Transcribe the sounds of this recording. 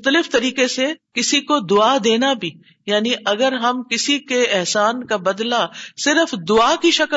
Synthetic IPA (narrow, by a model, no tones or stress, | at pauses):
t̪əlɪft̪ɐɾiːkesekɪsikod̪ʊaːd̪eːnabʱiː | jaːniʔɐɡəɾɦɐmkɪsikeɛɦsaːnkabɐd̪lasɪɾəfd̪ʊaːkiʃɐk